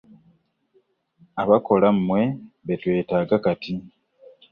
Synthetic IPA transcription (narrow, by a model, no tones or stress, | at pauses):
aβako̞lamːwe̞βetwe̞ːtaːɡakati